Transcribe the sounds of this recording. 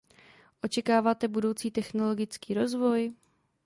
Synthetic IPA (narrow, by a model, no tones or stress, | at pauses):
ʔo̞t͡ʃɛkaːvaːt̪ɛbudo̞wt͡siːt̪ɛxno̞lo̞ɡɪt͡skiːɾo̞zvo̞j